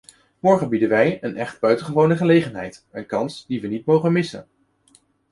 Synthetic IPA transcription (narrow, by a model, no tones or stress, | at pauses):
mɔɹχənbidənʋɛjənʔɛχt̚bœɥtəχəʋownəχəlejχənɦɛ̰jtənkɑnsdiʋənitmowχənmɪsə̰n